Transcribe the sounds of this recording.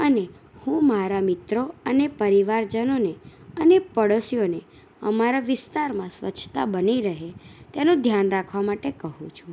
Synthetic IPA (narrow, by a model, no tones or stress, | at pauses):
əne | hũmaɾamɪt̪ɾoənepəɾiʋaɾd͡ʒənoneənepəɽosijone | əmaɾaʋɪst̪aɾmãsʋə̰t͡ʃʰt̪a̰bəniɾəɦet̪enõd̪ʱjanɾakʰʋamaʈekəɦũt͡ʃʰũ